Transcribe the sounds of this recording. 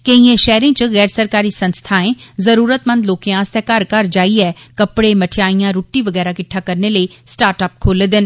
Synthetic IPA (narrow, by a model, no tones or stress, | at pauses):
keiːẽːʃɛːɾɪ̃ːt͡ʃɣɛːɾsəɾkaːɾiːsənst̪ʰaːẽːzəɾuːɾət̪mənd̪loːkeãːst̪ɛːkaɾkəɾd͡ʒaːiːɛːkəpɽeːməʈʰɪjaːijãːɾuːʈːiːʋəɡɛːɾaːkɪʈʰːaːkəɾneːləiːsʈaːɾʈəːp̚kʰoːleːd̪ɪn